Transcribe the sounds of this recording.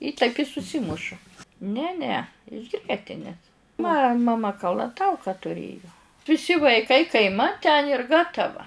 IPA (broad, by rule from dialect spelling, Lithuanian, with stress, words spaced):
ɪ tɐɪp ɪ sʊˈsʲɪmʊʃʊ ˈnʲɛ nʲɛ ɪʃ ˈɡrʲiɛtʲɪnʲeːs mɐ mɐ ˈmɐ kɐlˠɐˈtɐʊkɐ tʊˈrʲeːjʊ ʋʲɪˈsʲɪ ʋɐɪˈkɐɪ kɐɪˈmɐt tʲɛn ɪr ˈɡɑːtɐʋɐ